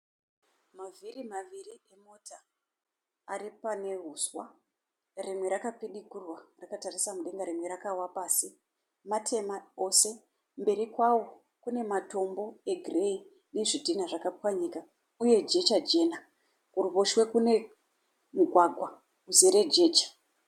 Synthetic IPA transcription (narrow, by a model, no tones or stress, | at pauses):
mavirimaʋirie̞motaː | ɾipane̞ɦuswa | rimwe̞ɾakapiɗikurwarakatarisamuɗe̞ŋɡaɾimwe̞ɾakawapaːsi | matʰe̞mao̞se̞ | mbe̞ɾikwawo̞ | kune̞mato̞mbo̞e̞ɡʱire̞i | ne̞ʐidʱinaʐakapwaɲika | uje̞d͡ʒe̞t͡ʃad͡ʒe̞ːna | kuruβoʃwe̞kune̞ | muɡʱwaɡʱwa | uzeɾe̞d͡ʒe̞ːt͡ʃḁ